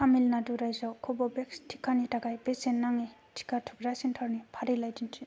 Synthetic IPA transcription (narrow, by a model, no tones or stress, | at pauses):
amilnaduɾajzawkʰɔbɔbekstʰi̥kʰanitaɡajbesenːaŋitʰi̥kʰatʰukɾasintʰaɾnipʰaɾilajdintʰi